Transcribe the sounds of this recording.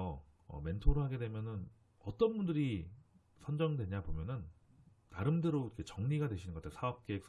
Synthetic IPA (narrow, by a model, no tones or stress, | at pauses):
ʌ | ʌ̰me̞ntʰoɾoɦaɡe̞dwe̞mjʌnɯn | ʌt͈ʌnbundɯɾi | sʰʌnd͡ʑʌŋdwe̞ɲabomjʌnɯnː | aɾɯmdɯɾoiɾkʰet͡ɕʌŋɲiɡadwe̞ɕʰinɯnɡʌt͈eosʰaʌp̚k͈eːks